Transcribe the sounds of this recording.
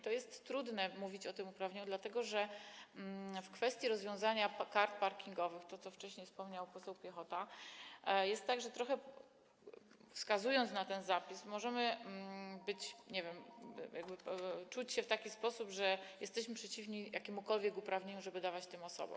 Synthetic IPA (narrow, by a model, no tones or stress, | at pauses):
t̪ɔjɛst̪ːɾud̪nɛmuvʲit͡ɕɔt̪ɘmupɾavɲeɲud̪lat̪ɛɡɔʐɛmfkfɛst̪ʲjiɾɔzvʲjɔ̃w̃zaɲakaɾt̪̚paɾkʲiŋɡɔvɘxt̪ɔt̪ɔft͡ʂɛɕɲejfspɔmɲawpɔsɛwpʲjɛxɔt̪a | jɛst̪ːaɡʐɛt̪ɾɔxɛ | fskazujɔnt̪snat̪ɛnzapʲismɔʐɛmɘ | bɘt͡ɕɲɛvʲjɛmjaɡ̚bɘt͡ʂut͡ɕɕɛft̪akʲispɔsubʐɛjɛst̪ɛɕmɘpʂɛt͡ɕivɲijakʲemukɔlvʲjɛkupɾavɲeɲuʐɛbɘd̪avat͡ɕt̪ɘmɔsɔ̰bɔ̰̃m